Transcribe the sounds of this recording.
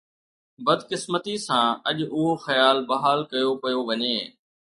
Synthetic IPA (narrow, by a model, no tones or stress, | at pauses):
bɐd̪kɪsmət̪isãːɐʄʊɦoxɐjaːlbɐɦaːlkɐjopɐjoʋɐɲeː